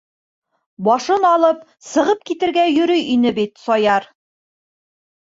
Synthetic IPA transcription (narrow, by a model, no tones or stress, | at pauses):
bɒʃɤnɒlˠɤp̚ | sɤ̆ʁɤp̚kit̪ɘ̆ɾɡæjɵ̆ɾɵjinɘbit̪sɒjɑɾ